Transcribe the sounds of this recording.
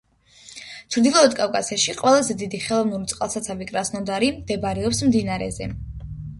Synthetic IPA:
t͡ʃʰɾd̪ilˠɔːd̪kʼafkʼasiaʃiqʼwɛlˠazɛd̪id̪iχɛlˠɔvnuɾit̪sʼqʼalˠsat̪sʰavikʼɾasnɔd̪aɾid̪ɛbaɾɛɔpsmd̪inaɾɛ̰zɛ̰

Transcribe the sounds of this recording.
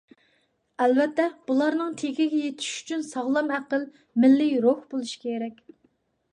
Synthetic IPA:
ɛlvɛt̪ːɛb̥ulˠɑɾnɨŋt̪ʰekʲɪɡʲɛjet̪ʰɪ̥ʃy̥t͡ʃʰynsɑʁlˠɑmæqəl | mɪlːɪjɾohbolˠuʃi̥kʲʰeɾɛkʲ

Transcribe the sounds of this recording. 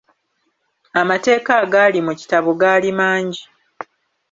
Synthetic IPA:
amate̞ːkaːɡaːlimuci̥taβoɡaːlimaːɲɟi

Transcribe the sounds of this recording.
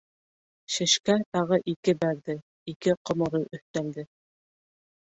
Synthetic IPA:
ʃɘ̆ʃkæt̪ɑʁɤʔikɘbæɾðɘ | ikɘqŏmŏɾɤʔɵ̆θt̪æld̪ɘ

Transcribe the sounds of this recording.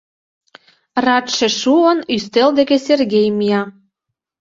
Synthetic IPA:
rɑt̪ʃĕʃuənyst̪eld̪ekeserɡʲejmijɑ

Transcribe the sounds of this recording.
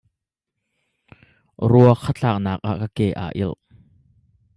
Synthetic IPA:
ruɐkʰːət͡ɬaːk̚naːk̚ʔa̰ːʔkakeːʔa̰ːʔɪ̰l

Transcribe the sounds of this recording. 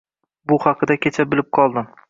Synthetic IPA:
bʊhɑqʰɨd̪akʲet͡ʃʰabɪlɪp̚qʰɒlˠd̪ɪm

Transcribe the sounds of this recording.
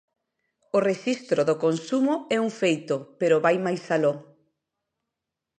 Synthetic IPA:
ʊreʃist̪ɾoðokonsumʊɛuŋfejt̪ʊpeɾʊβajmajsaloŋ

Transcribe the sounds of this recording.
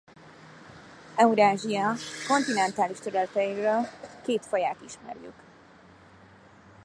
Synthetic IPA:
ɛuɾaːʒiɒko̞nt̪inɛnt̪aːliʃt̪øɾɛlt̪ɛjiɾøːlkeːt̪fojaːt̪iʃmɛ̰rjy̰k

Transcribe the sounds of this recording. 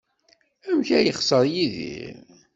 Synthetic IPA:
æmçæjəχsˤəɾˤjiðḭɾ

